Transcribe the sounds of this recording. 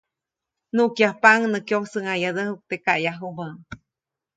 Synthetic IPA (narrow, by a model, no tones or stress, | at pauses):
nuʔkjahpaŋnəkjohsəŋajad̪əhuk̚t̪ekaʔjaɦumə